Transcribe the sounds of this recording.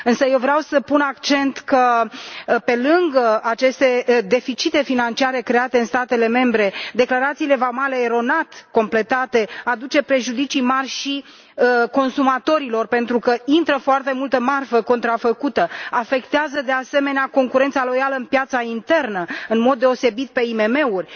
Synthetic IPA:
ɨnsəje̞wvɾeawsəpunakt͡ʃe̞nt̪kə | pe̞lɨŋɡəat͡ʃe̞st̪e̞d̪e̞fit͡ʃit̪e̞finant͡ʃiaɾe̞kɾe̞at̪e̞ɨnst̪at̪e̞le̞me̞mbɾe̞d̪e̞klaɾat̪siːle̞vamale̞ːɾo̞nat̪ko̞mple̞t̪at̪e̞ad̪ut͡ʃe̞pɾe̞ʒud̪it͡ʃimarʲʃi | ko̞nsumat̪o̞ɾilo̞rpe̞nt̪ɾukəint̪ɾəfoart̪e̞mult̪əmarfəko̞nt̪ɾafəkut̪əafe̞kt̪eazəd̪e̞ase̞me̞neako̞ŋkuɾe̞nt̪salo̞jaləɨnpjat̪saint̪e̞rnəɨnmo̞d̪ːe̞o̞se̞bit̪̚pe̞ime̞me̞urʲ

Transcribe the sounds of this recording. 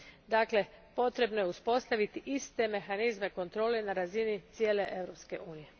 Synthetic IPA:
d̪aːkle̞po̞t̪ɾe̞bno̞jeuspo̞st̪aʋit̪iʔist̪e̞me̞xanizme̞ko̞nt̪ɾo̞ːlenaɾazinit̪sjeːle̞ʔe̞ʋɾo̞pske̞ʔuːnije̞

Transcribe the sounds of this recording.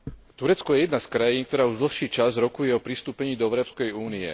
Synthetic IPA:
t̪uɾɛt͡skɔjɛjɛd̪naskɾajiːnk̚t̪ɔɾaːuʒd̪l̩xʃiːt͡ʃazɾɔkujɛɔpɾist̪uːpɛɲiːd̪ɔɛʊɾɔːpskɛjuːniɛ̰

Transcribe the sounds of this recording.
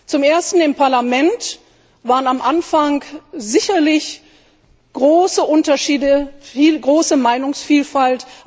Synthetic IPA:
t͡sʊmʔeːɐstn̩ɪmpaɐlamɛnt | v̥aːʁənamʔanfaŋkzɪçɐlɪç | ɡ̥ʁoːsəʔʊntɐʃiːdəfiːlɡʁoːsəmaɪnʊŋsfiːlfalt

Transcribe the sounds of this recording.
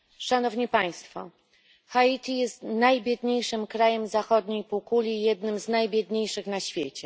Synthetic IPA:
ʂanɔvɲipaj̃st̪fɔ̰ | xait̪ʲijɛst̪najbʲjɛd̪ɲejʂɘmkɾajɛmzaxɔd̪ɲejpukulʲijɛd̪nɘmznajbʲjɛd̪ɲejʂɘxnaɕfʲjet͡ɕɛ

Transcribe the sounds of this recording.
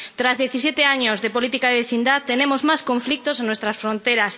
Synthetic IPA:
t̪ɾazðeθis̬jet̪eaɲozðepolit̪ikaeβeθind̪aðt̪ːenemozmajskõɱflik̚t̪osẽnwest̪ɾasfɾõnt̪ejɾas

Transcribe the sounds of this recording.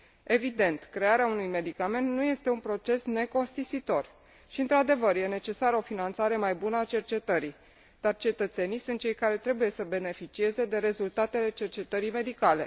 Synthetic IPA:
e̞vid̪e̞nt̪kɾe̞aɾeaunujme̞d̪ikame̞nt̪nuje̞st̪e̞unpɾo̞t͡ʃe̞sne̞ko̞nst̪isit̪o̞r | ʃiɨnt̪ɾad̪e̞vərje̞ne̞t͡ʃe̞saɾəo̞finant̪saɾe̞majbunəat͡ʃe̞rt͡ʃe̞t̪əɾi | d̪̥art͡ʃe̞t̪ət̪se̞nijsunt̪̚t͡ʃe̞jkaɾe̞t̪ɾe̞buje̞səbe̞ne̞fit͡ʃie̞ze̞d̪e̞ɾe̞zult̪at̪e̞le̞t͡ʃe̞rt͡ʃe̞t̪əɾime̞d̪ikale̞̰

